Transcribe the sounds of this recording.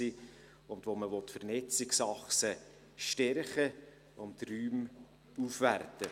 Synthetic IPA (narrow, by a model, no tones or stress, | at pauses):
i | ʊndvʋoməvɔt̪fərnɛt͡siksɑχsə | ʃtɛɾχə | ʊnt̪ryːm | ufʋærtə